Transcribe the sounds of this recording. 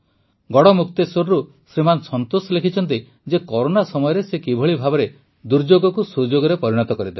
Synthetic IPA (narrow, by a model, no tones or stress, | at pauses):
ɡɔɽɔmuk̚t̪esoɾɾu | sɾimansɔnt̪osɔlekʰit͡ʃʰɔnt̪̬i | d͡ʒekɔɾonasɔmɔjɔɾesekibʱɔɭibʱabɔɾe | d̪uɾd͡ʒoɡɔkusud͡ʒoɡɔɾepɔɾiɽ̃ɔt̪ɔkɔɾid̪e